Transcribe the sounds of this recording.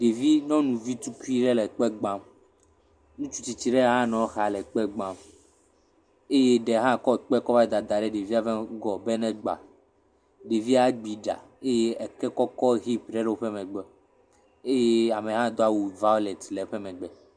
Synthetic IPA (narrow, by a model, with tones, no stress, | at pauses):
ɖe˨vi˦nɔ̃˦nũ˨vi˦t̪u˦ku˦i˦ɖɛ˦lɛ˨k͡pɛ˦ɡ͡bã˦m | nũ˦t͡ʃu˦t͡ɕi˨t͡ɕi˨ɖɛ˦ɦã˦nɔ̃˨˦xa˨lɛ˨k͡pɛ˦ɡ͡bã˦m | e˦je˦ɖɛ˨ɦã˦kɔ˦˨k͡pɛ˦kɔ˦va˦d̪a˨d̪a˨ɖɛ˦ɖe˨vi˦a˦vɛ˦ɡɔ˨bɛ˦nɛ̃˦ɡ͡ba̰˨ | ɖe˨vi˦a˦ɡ͡bi˨ɖa̰˨ | e˦je˦ɛ˨kɛ˦kɔ˦kɔ˦ɣi˦pɖɛ˦ɖe˦wo˦ɸɛ˦mɛ̃˨ɡ͡bɛ˦ | e˦je˦a˨mɛ˨ɦã˦d̪o˦a˦wu˨va˦lɛ˨t̪lɛ˨ɸɛ˦mɛ̃˨ɡ͡bɛ˨